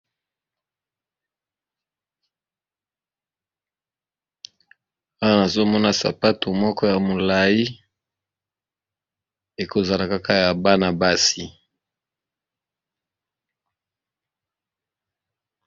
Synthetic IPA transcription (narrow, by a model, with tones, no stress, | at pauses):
a˦wa˦na˨zo˦mɔ˦na˦sa̰˨pa˦to˨mɔ˦kɔ˦ja˨mo˨la˨ji˦ | e˨ko˨za˨la˨ka˦ka˦ja˨ba˦na˨ba˦si˨